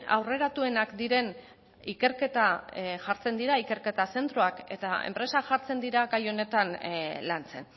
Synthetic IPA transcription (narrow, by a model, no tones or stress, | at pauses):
a̰wre̞ɾat̪ue̞nakd̪iɾe̞n | ike̞ɾke̞t̪aʝaɾt͡se̞nd̪iɾaike̞ɾke̞t̪ase̞nt̪ɾoake̞t̪aḛmpɾe̞saʝaɾt͡se̞nd̪iɾaɡajo̞ne̞t̪anlant͡se̞̰n